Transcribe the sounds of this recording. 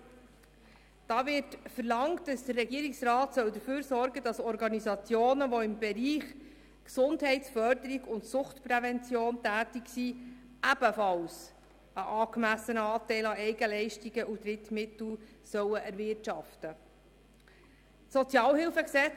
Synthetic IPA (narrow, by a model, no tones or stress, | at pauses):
d̥ɑːʋɪɾtfəɾlɑŋtdɑsd̥ərːɛɡiəɾɪksrɑːtsœwd̪əføːɾsɔɾɡədɑsɔɾɡɑnizɑt͡sjoːnəʋɔɪmbɛɾiːχ | ksʊndhɛɪtsfœrdəɾiɡʊntsʊχtpɾɛvɛnt͡sjoːntæːtiksi | ʔæb̥əfɑls | əʔɑːkmæsənəɑːtɛɪlɑɛɪɡəlɛɪʃtiɡəʔud̪ɾɪtmɪt̪l̩ | sœwəʔæɾvɪrtʃɑftə | sɔt͡sjɑːlɦɪlfəksɛt͡s